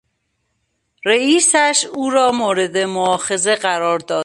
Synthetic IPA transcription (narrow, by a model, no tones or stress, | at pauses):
ɾeiːsæʃuːɾɒːmoːɾed̪emoɒːxe̞ze̞ɢæɾɒːɾd̪ɒː